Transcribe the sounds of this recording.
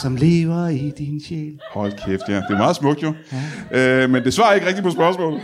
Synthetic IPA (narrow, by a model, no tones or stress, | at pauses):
sɒ̽mle̝̰ːʋɐid̥inɕḛːlhɒ̽l̰kʰefd̥hæɐ̰d̥e̝æɐmɑ̈ːð̩ˠsmɔ̽ɡ̥̚d̥jo̝ʔømend̥e̝sʋɑ̈ːɐe̝ɡ̥ʁɛɡ̥̚d̥ipʰɒ̽sb̥ɶɐsmɔ̰ːlð̩ˠ